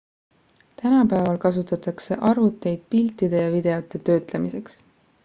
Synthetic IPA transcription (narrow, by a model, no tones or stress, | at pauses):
t̪ænɑpæevɑlkɑs̬ut̪ːˑɑt̪ˑɑkse̞ʔɑrvut̪ːˑe̞jd̪̥̚pilt̪ːˑid̪̥e̞jɑvid̪̥e̞ot̪ːˑe̞t̪ø̞ːt̪ˑle̞mise̞ks